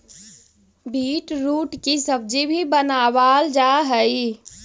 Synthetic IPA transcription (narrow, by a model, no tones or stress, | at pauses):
biːʈɾuːʈkisəb̚d͡ʒibʱibənaːʋaːld͡ʒaɦəi